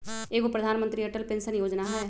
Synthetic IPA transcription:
eːkopɾɐd̪ʱaːnmə̃nt̪ɾiɐʈəlpɪ̃nsənjoːd͡ʒnaɦɛː

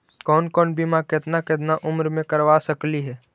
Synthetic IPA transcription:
kɔːnkɔːnbimakɪt̪nakɪt̪̬naʔʊmɾmẽkəɾʋasəkliɦɛː

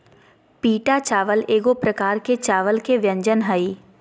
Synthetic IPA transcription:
piːʈat͡ʃaːʋəleːɡopɾəkaːɾket͡ʃaːʋəlkeʋjə̃ɲd͡ʒənɦəi

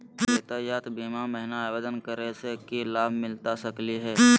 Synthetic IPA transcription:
eːt̪ajaːt̪biːmamɛɦnawed̪ənkəɾesekilaːbʱmɪlt̪asəkliɦɛː

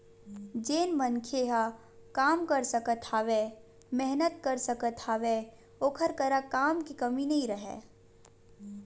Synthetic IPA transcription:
d͡ʒeːnmənkʰeɦa | kaːmkəɾsəkət̪ʰaːwe | mɛɦnət̪̚kəɾsəkət̪ʰaːʋe | oːkʰəɾkəɾakaːmkikɐminɐɦĩɾəɦɛ̰̃ː

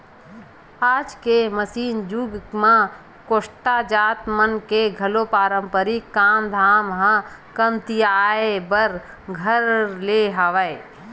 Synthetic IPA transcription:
aːd͡ʒkeməsiːnd͡ʒuːɡmã | koːʃʈad͡ʒaːt̪mənkeɡʱəlopaːɾə̃mpəɾikːaːmd̪ʱaːmɦãkənt̪ijaːebəɾ | ɡʱəɾleɦaʋəe

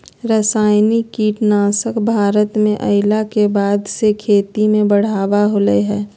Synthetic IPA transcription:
ɾəsaːɪnikiːʈnaːsəkbʱaːɾət̪mẽʔə̰ɪlakebaːd̪sekʰeːt̪imẽbəɽ̤aːʋaɦoːləeɦɛː

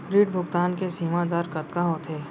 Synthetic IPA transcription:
ɾiːʈbʱʊk̚t̪aːnkesiːmad̪aːɾkɐt̪kaɦot̪ʰeː

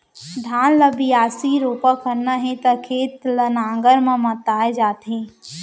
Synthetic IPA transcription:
ɖʱaːnləbiaːsiɾoːpəkəɾnəɦẽt̪ɐkʰeːt̪lənãːŋɡəɾmãmɐt̪aːed͡ʒaːt̪ɦẽː

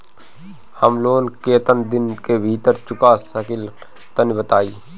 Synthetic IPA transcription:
həmloːnket̪ənd̪ɪnkebʱiːt̪əɾt͡ʃʊkaːsəkɪl | t̪ənbət̪aːiː

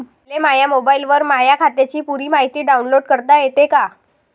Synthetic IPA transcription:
lemajamobailʋəɾmajakʰat̪jat͡ɕiːpuɾiːmaɦit̪iːɖaunloɽkəɾt̪ajet̪eka

